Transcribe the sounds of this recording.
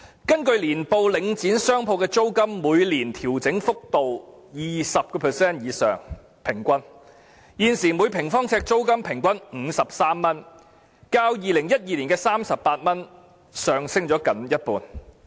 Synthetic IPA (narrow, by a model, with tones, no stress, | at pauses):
kɐ˥nkɵ˧ɥliː˨˩npo˨˧wlɪ˨˧ŋt͡siː˨˥nsœː˥ŋpʰo˧wkɛː˧t͡so˥wkɐ˥mːuː˨˧jliː˨˩nt̪ʰiː˨˩wt͡sɪ˨˥ŋfʊ˥k̚t̪o˨w | jiː˨sɐ˨p̚kɔː˧pʰɛː˨˩sɛː˥njiː˨˧sœ̰ː˨˩ŋ | pʰɪ˨˩ŋkʷɐ˥n | jiː˨nsiː˨˩mu˨˧jpʰɪ˨˩ŋfɔː˥ŋt͡sʰɛː˧k̚t͡so˥wkɐ˥mpʰɪ˨˩ŋkʷɐ˥nŋ̩ː˨˧sɐ˨p̚saː˥mːɐ˥n | kaː˧wjiː˨lɪ˨˩ŋjɐ˥t̚jiː˨liː˨˩nkɛː˧saː˥msɐ˨ppːaː˧t̚mɐ˥n | sœː˨ŋsɪ˥ŋt͡ʃɔː˨˥kɐ˨˥njɐ˥t̚puː˨˩n